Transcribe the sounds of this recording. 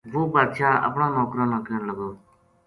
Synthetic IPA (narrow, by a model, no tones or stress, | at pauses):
ʋoːbaːd̪ʃaːə̰pɳãːnɔːkɾãːnaːkənləɡoː